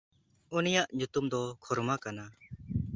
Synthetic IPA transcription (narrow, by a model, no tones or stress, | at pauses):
unijaʔɲut̪umd̪ɔkʰɔɾmakana